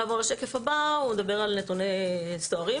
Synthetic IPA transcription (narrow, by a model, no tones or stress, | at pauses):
avoʁlaʃekefabaumed̪abe̞ʁalne̞t̪unest̪oaʁi